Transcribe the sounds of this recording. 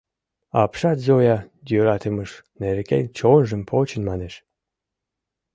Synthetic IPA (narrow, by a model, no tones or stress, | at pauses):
ɑpʃɑt̪zojɑd̪ʲøɾɑt̪ʰəməʃneɾkḛnʲt͡ɕonʒəmpʰot͡ɕə̆nmɑneʃ